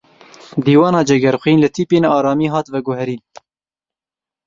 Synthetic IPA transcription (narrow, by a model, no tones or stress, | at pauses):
d̪iːwɑːnɑːd͡ʒɛɡɛɾxʷiːnlɨt̪ʰiːpeːnɑːɾɑːmiːɦɑːt̪vɛɡʊhɛɾiːn